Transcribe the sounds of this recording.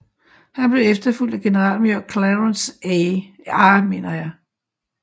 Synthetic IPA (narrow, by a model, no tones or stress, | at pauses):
hænb̥le̝efd̥ɐful̰d̥æɡ̥e̝nəʁɑ̰̈ːl̰moɐ̰ɡ̥̚kʰlæʁons | ɑme̝̰ːnɐjɑ̈ɪ